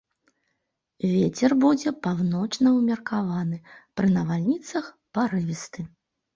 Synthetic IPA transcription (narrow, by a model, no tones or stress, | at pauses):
vʲet͡sʲɛrbud͡zʲɛpawnɔt͡ʂnɐwmʲɐrkavanɨpɾɨnɐvalʲnʲit̪sɐx | paɾɨvʲist̪ɨ